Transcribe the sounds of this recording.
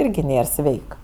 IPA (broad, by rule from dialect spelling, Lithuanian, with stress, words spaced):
ˈɪrʲɡʲɪ ˈnʲeːr ˈsʲʋʲɛɪk